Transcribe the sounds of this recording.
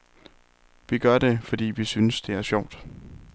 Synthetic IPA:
ʋiɡ̥ɶɐde̝fɒ̽d̥ḭːʋisynəsd̥e̝æɐsɕɒʊ̰d̥

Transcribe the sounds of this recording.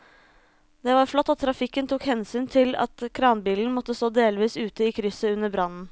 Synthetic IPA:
d̪ɛʋɑɾflɔt̪ːɑt̪ʰːɾɑfɪkːənt̪ʰuːkhɛnsyːnt̪ʰɪlɑ̰t̪kʰɾɑːnbiːln̩mɔt̪ːəst̪oːd̪eːlʋiːsʉːt̪əiːkʰɾʏsəʉnːəɾbɾɑnːn̩

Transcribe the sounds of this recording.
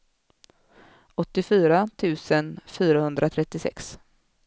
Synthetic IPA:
ɔt̪ːɪfyːɾat̪ʰʉ̟ːsənfyːɾahɵnd̪ɾʔat̪ʰɾɛt̪ːɪsɛ̰ks

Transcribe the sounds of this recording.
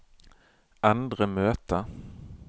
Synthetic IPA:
and̪ɾəmøːt̪ə

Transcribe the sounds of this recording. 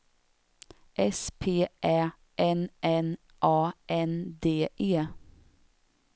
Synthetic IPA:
ʔɛspʰeːʔæː | ʔɛnʔɛn | ʔɑːʔɛnd̪eːʔeː

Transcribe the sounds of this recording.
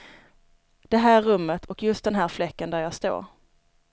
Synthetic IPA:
d̪̥ɛɦæːɾːɵmːət̪ʰɔkjɵst̪d̪ɛnɦæːɾflɛkːənd̪æɾjɑːst̪o̰ːɾ

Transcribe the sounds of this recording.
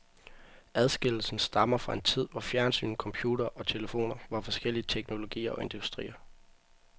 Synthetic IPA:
æð̞ˠsɡ̥e̝l̰l̩sn̩sd̥ɑ̈mɐfʁɑ̈e̝nt͡sʰið̞̰ˠʋɒfjæɐnsy̰ːn̩kʰɒ̽mpʰjuːd̥ɐʔɒ̽t͡sʰe̝ləfo̝̰ːnɐʋɑ̈fɒ̽sɡ̥el̰iət͡sʰeɡ̥no̝lo̝ɡ̥ḭːɐɒ̽e̝nd̥usd̥ʁḭːɐ

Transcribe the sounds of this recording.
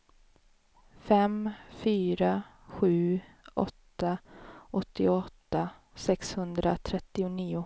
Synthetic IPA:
fɛmfyːɾa | ɧʉ̟ːʔɔ̰t̪ːaʔɔt̪ːɪɔt̪ːa | sɛkshɵnd̪ɾat̪ʰɾɛt̪ːɪʊniːʊ

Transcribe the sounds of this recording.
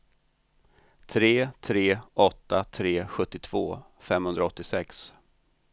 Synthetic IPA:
t̪ʰɾeːt̪ʰɾeːɔt̪ːat̪ʰɾeːɧɵt̪ːɪt̪ʰv̥oːfɛmhɵnɾaɔt̪ːɪsɛks

